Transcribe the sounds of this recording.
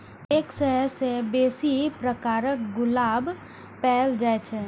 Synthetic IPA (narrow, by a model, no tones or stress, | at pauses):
eːksəɦɛsebeːsipɾəkaːɾək̚ɡʊlaːb | pɛɦld͡ʒaːet͡ʃʰɛ